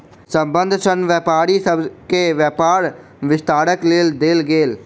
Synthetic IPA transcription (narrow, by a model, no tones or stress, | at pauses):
sə̃mbənd̪ʱsənʋjɛːpaːɾisəbkeːʋjɛːpaːɾ | ʋɪst̪aːɽəkleːld̪eːlɡeːl